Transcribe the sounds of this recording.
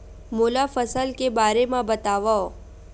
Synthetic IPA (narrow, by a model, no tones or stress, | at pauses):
molafəsəlkebaɾemãbət̪aʋao